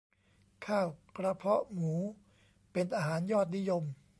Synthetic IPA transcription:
kʰaː˥˩wkɾa˧pʰɔ˦˥ʔmuː˩˦ | pe˧nʔaː˧ɦaː˩˦njɔː˥˩t̪̬̚ni˦˥jo˧m

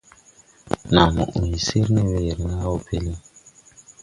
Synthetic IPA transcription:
na˨mo̰˨ʔu˨i˨si˦ɾne˦we˨ɾna˦wo˨pʰe˦li˦

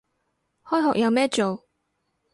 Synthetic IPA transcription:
hɔː˥jɦɔ̰ː˨k̚jɐ˨˧wmɛː˥t͡ʃo˨w

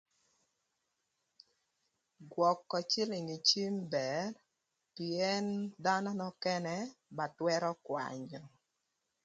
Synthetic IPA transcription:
ɡwɔ˨kːɔ˨t͡ʃɪ˦lɪ˨ŋi˨t͡ʃi˦mbɛ˨r | piɛ˦nda˦nɔ˦nɔ˦kɛ˦nɛ˦ba˨twɛ˦ɾɔ˦kwa̰˨ɲɔ˨

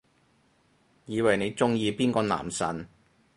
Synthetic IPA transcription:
jiː˨˧wɐ˨˩jne˨˧jt͡sʊ˥ŋjiː˨˧piː˥nkɔː˧na̰ː˨˩msɐ̰˨˩n

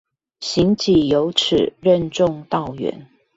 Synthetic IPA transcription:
ɕi˧˦ŋt͡ɕi˨˩jo˨˧˦ʊʈ͡ʂ̩ʰ˨˩ɻə˥˧nʈ͡ʂʊ˥˧ŋt̪ɑ˥˩ʊɥɛ̰˧˦n

